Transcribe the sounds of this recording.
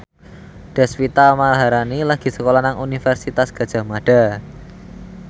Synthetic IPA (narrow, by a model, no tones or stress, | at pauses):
ɖ̥ɛ̤spit̪amalaɦaɾanilaɡ̥i̤səkolanaŋunifɛrsit̪asɡ̥a̤d̥ʒ̥a̤maɖ̥a̤